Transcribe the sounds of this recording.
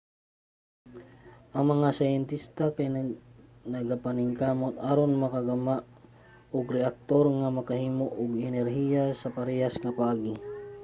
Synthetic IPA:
ʔɐŋmɐŋasajɛnt̪ist̪akaj | nɐɡapanɪŋkaːmot̪aɾonmɐkaɡɐmaʔ | ʊɡɾɛʔak̚t̪oɾŋamɐkɐhiːmoʔʊɡɛnɛɾɦijasɐpɐɾɛjasŋɐpaʔaːɡɪ

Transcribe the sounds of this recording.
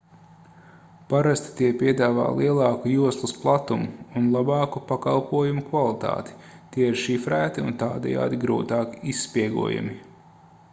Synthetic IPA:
paɾast̪i̥t̪iɛpiɛd̪aːva̰ːlˠʔiɛlˠɑːkujuɔslˠusplˠat̪umuːnlˠabɑːkupaka̰lˠpuɔjumukvalˠit̪a̰ːt̪i̥t̪iɛiɾʃifɾæːt̪iṵnt̪aːd̪ɛ̰ja̰ːd̪iɡɾuːt̪aːkisːpiɛɡṵɔja̰mi

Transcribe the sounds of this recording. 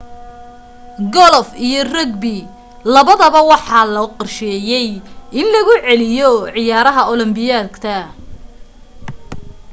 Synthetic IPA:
ɡɔlɔfijɔrɐɡbɪ | lɐβɐðɐβɐwɑħɑːlɐqɑrʃɛːjɛjɪnlɐɣʊʕɛlɪjɔʕɪjaːɾɐɦɐʔɔlɔmbɪjaːd̪kt̪ʰɐ

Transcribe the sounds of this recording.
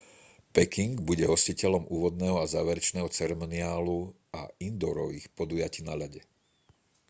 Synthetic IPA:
pɛkiŋɡbuɟɛɦɔsicɛlɔmʔuːʋɔd̪nɛːɦɔazaːʋɛɾɛt͡ʃnɛːɦɔt͡sɛɾɛmɔnɪaːlu | aind̪ɔɾɔʋiːxpɔd̪ujaciːnaʎaɟɛ

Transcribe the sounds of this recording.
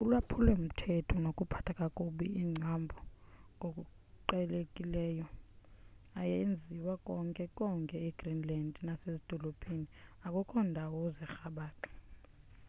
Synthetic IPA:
ulwapʰulɛm̩tʰɛtʰɔnokʼupʰḁtʰakʼakʼuɓiiŋ͡ǀʱambʱɔŋʱokʼu | ǃɛlekʼilɛːjɔ | ajend͡zʱiwakʼɔŋkʼɛkʼɔŋkʼɛiɡ̥rinlandʱnasezid̥ʱɔlopʰʼeniakʼɔkʰɔndʱawɔzɛxaɓaːtʰʼɔ̥

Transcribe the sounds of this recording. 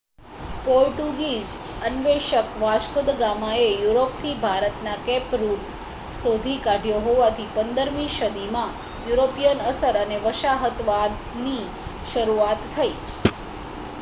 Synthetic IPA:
poɾʈuɡid͡ʒ | ənʋeʃəkʋaʃkəd̪ɡamaejuɾopt̪ʰibʱaɾət̪nakɛpɾul | sod̪ʱikaɖʱjoɦoʋat̪ʰipənd̪əɾmiʃəd̪imã | juɾopijənəsəɾəneʋəʃaɦət̪ʋad̪ | ni | ʃəɾuat̪ʰːəi

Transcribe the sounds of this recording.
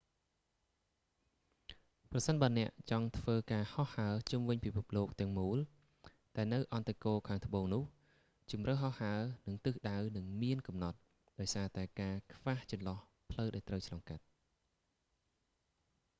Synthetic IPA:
prɑsənɓaːnɛ̆əʔt͡ɕɑŋt̪ʰʋəːkaːhɑhːaət͡ɕumʋɨɲpipʰup̚loːk̚t̪ɛ̆əŋmuːl | ɗ̪aɛnɨwʔɑnt̪akoːkʰaːŋt̪ʰə̆ɓoːŋnʊ̆əh | t͡ɕumrəhɦɑhaənɨŋt̪ɨːhɗawnɨŋmiənkɑmnɑt̪̚ | ɗaɔjsaːt̪aɛkaːkʰʋaːht͡ɕɑnlɑh | pʰləwɗaɔlt̪rəwt͡ɕʰlɑŋkat̪̚

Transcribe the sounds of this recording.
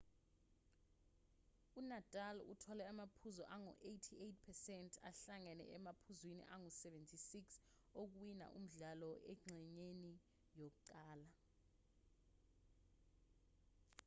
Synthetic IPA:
unatʼalṵtʰɔlɛamapʰuzɔ̰ʔaŋɔ̰ʔejtʰiejtʰpʰɛsɛntʰa̰ɬaŋɛnɛ̰ʔɛmapʰuzwinḭʔaŋɔsɛvɛntʰisiks | ok̬wina̰ʔṵm̩ɮalɔʔɛŋ͡ǀʱɛɲeni | jok̬uǃaːla

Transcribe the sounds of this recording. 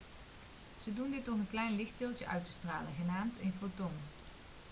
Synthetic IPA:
z̥ədundɪtɔχənklɛjnlɪχt̚dɪːlˠtəʔœ̰ɥtə̥stra̰ːləɣənaːmtʰɪnfoton

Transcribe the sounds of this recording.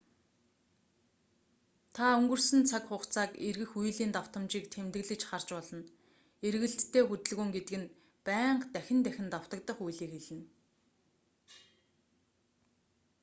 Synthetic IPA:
t̪ʰaɵŋɡɵ̆rsɘ̆nt͡sʰakχʊχt͡sʰaːkerɣɘ̆xujɮiːnt̪aw̥t̪ə̆mt͡ɕiːkt̪ʰemt̪ɘ̆ɣɮɘ̆t͡ɕχar̥t͡ɕpɔɮɞ̆n | erɣɘ̆ɬt̪ʰːeːxut̪ɘ̆ɮɣŭːŋɡet̪ɘ̆kɘ̆n | pæːɴɢt̪æxʲɪ̆nt̪æxʲɪ̆nt̪aw̥t̪ə̆k̚t̪ə̆χujɮiːkxeɮɘ̆n

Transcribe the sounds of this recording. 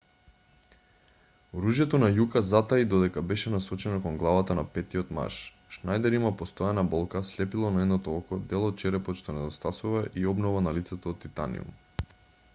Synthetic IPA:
ɾuʒjɛt̪onajukazat̪aid̪ɔd̪ɛkabɛʃɛnasɔt͡ʃɛnɔkɔŋɡlˠavat̪anapɛt̪iot̪ma̰ɾʃ | ʃnajd̪ɛɾimapost̪ɔjanabɔlˠkaslɛpilˠɔnaɛd̪nɔt̪ɔɔlkɔd̪ɛlˠɔt̪̚t͡ʃɛɾɛpɔʃt̪ɔnɛd̪ost̪asuvaʔiɔbnɔvanalit̪sɛt̪oːt̪ːit̪a̰nḭṵm

